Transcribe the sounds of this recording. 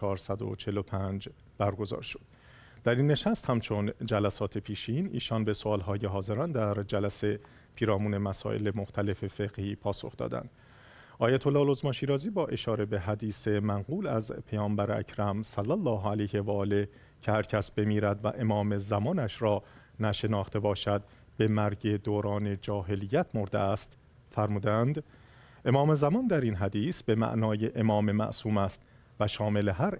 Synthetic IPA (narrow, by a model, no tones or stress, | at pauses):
ɒːɾsæd̪o̰t͡ʃʰelo̞pʰænd͡ʒ | b̥æɾɡo̞zɒ̰ːɾʃod̪̥̚ | d̪æɾinːe̞ʃæst̪hæmt͡ʃʰo̞nd͡ʒælæsɒːt̪ʰe̞pʰiːʃinḭːʃɒːnbe̞soɒːlɦɒːje̞ɦɒːze̞ɾɒːnd̪æɾd͡ʒælæse̞ | pʰiːɾɒːmuːne̞mæsɒ̰ːʔe̞̰lemo̞xt̪ʰæle̞fe̞fe̞ɣhiːpʰɒːso̞̰xd̪̥ɒ̰ːd̪æ̰nd̪̥ | ʔɒːjæt̪ʰo̞lːɒːlo̞zmɒːʃiːɾɒːziːbɒːʔe̞ʃɒːɾe̞beɦæd̪iːse̞mæŋɢuːlæzpʰejɒːmbæɾeæ̰cʰɾæmsælːælːɒːɦælejhevæːle | cʰehæɾcʰæsbe̞miːɾæd̪væ̰ʔe̞mɒːme̞zæmɒːnæʃɾɒː | næʃe̞nɒːxt̪ʰe̞bɒːʃæd̪̚ | be̞mæɾɟe̞d̪oːɾɒːne̞d͡ʒɒːɦe̞lijːæt̪ʰmo̞ɾd̪ḛæst̪ | fæɾmuːd̪ænd̪ | ʔe̞mɒːmezæmɒnd̪æɾinɦæd̪iːsbe̞mæ̰ʔnɒːje̞ʔemɒːmemæ̰ʔsuːmæst̪ | væʃɒːme̞leɦæɾ